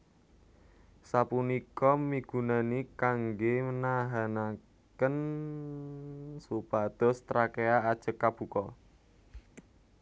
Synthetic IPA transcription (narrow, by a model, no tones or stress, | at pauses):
sapunikɔmiɡ̥ṳnanikaŋɡemənaɦana | kən | supad̪̥ɔ̤st̪ɾakeaːd̥ʒ̥ə̤kːab̥ṳkɔ